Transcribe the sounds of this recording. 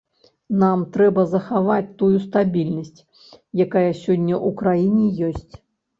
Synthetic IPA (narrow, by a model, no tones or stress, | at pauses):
namt̪ɾɛbɐzɐxavat͡sʲt̪ujust̪abʲilʲnɐsʲt͡sʲ | jakajɐsʲɔnʲːɐʔukɾajinʲɛjɔsʲt͡sʲ